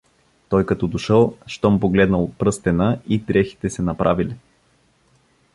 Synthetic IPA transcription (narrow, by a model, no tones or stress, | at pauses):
t̪ɔjkɐt̪ɔd̪oʃəlˠʃt̪ɔmpoɡlɛd̪nəlˠot̪pɾɤst̪ɛnəit̪ɾɛxi̥t̪ɛsɛnɐpɾʔavili